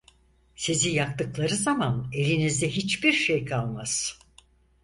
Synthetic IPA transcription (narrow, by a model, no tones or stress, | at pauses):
sizijak̚t̪ɯklˠaɾɯzamane̞lʲinizd̪ɛɦit͡ʃbiɾʃejkʰalˠmaz̥